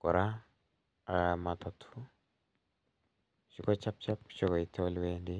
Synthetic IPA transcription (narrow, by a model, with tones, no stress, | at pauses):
kɔ˨ɾa˦ | a˨ma˨t̪ɔ˨tʰu˦ | ʃi˦kɔ˦t͡ʃa˦p̚t͡ʃa˦p̚t͡ʃɔ˨kɔ˨i˨tɔ˦lwe˦ndi˦